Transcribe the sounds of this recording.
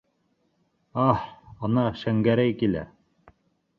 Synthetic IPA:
ɑhɑnɑʃæŋɡæɾæjkilæ̰

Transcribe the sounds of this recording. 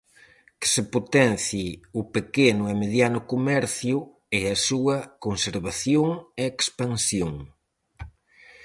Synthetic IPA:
kɪ̥sepot̪ɛnθiʊpekenʊɛmeðjanʊkomɛɾθjʊ | eɐsuɐkonseɾβaθjoŋeekspansjoŋ

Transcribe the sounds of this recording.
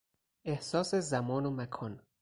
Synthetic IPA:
ʔehsɒːsezæmɒːnomækʰɒːn

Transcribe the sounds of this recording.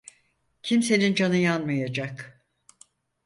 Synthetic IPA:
cʰimse̞nind͡ʒanɯjanmajad͡ʒak

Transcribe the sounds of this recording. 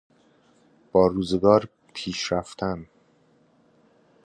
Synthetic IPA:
b̥ɒːɾuːzeɡɒːɾ | pʰiːʃɾæft̪ʰæn

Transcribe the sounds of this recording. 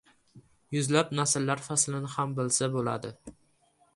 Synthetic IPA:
jʊzlapnasɪlːaɾfaslɪnɪhambɪlsabola̰d̪ɪ

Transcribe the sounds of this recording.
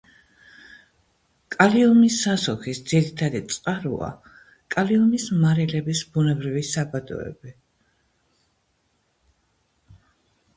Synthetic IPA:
kʼaliɔmisːasɔkisd̪z̥iɾit̪ʰad̪it̪sʼqʼaɾṵa̰ | kʼaliɔmismaɾɛlɛbisbunɛbɾivisabad̪ɔ̰ɛ̰bi

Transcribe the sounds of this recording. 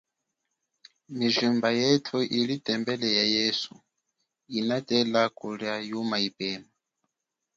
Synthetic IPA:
miʒumbajɛtʰuʔiɺitʼɛmbɛlɛjajesu | inatʼɛlakʼuɺjajumaipʼɛːma

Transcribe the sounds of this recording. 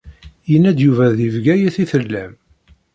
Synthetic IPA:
jənːæd̪juvæðivɡæjæθiθəlːæm

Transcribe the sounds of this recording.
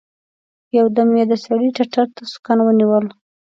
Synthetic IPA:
jawd̪əmjed̪asaɽiʈaʈaɾt̪asʊ̥kanwəniwəl

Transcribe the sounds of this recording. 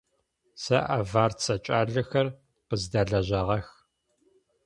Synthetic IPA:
sɐʔavaːrt͡sʰɐt͡ʃʼaːɮɨxɐr | qəzdaːɮɐʑɐʁɐx

